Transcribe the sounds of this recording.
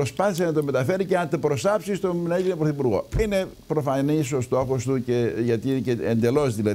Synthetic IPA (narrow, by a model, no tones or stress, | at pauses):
ɾospɐθisenɐt̪ome̞t̪ɐfe̞ɾiceɐnt̪opɾo̞sɐpsist̪onɐeinepɾoθipuɾɣo̞̰ine̞ | pɾo̞fɐniso̞st̪o̞xo̞st̪uceʝɐt̪iceend̪e̞lo̞zðilɐ